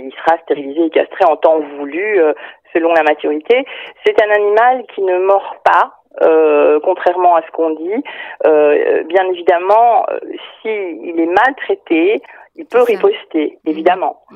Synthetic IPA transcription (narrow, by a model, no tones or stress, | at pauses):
ilsəʁast̪eʁilizeːkʲa̰st̪χeɑ̃t̪ɑ̃vulyøsəlɔ̃lamat̪yʁit̪esɛt̪ɛ̃nanimalkʲinəmɔʁpa | økɔ̃t̪χɛʁmɑ̃asə̥kɔ̃d̪iø̰bjɛ̃nevid̪amɑ̃ø̰siːlɛmalt̪χet̪eilpøʁipɔst̪eevid̪amɑ̃